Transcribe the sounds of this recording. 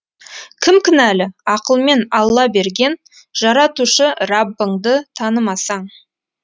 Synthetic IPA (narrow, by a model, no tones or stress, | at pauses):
kʲʰɪmkʲɪnælɪɑqəlˠme̞nɑlˠːɑbe̞ɾɡʲe̞n | ʒ̥ɑɾɑt̪uʃəɾɑbːəɴd̪ət̪ʰɑnəmɑsɑɴ